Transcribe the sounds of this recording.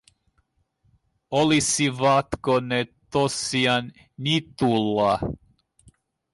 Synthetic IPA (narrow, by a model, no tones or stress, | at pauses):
olisiʋɑt̪konet̪osiɑn | nit̪ulːɑ